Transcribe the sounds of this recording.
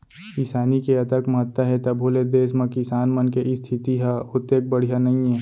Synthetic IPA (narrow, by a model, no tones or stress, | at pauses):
kɪsaːnikeɐt̪əkməɦət̪ːaɦɛt̪ɐbʱoːled̪eːsmɐ̃kɪsaːnmɐnkeʔɪst̪ʰɪt̪iɦaʊt̪ːeːk̚bɐɽ̤ijanɐɦĩɦɛ̃ː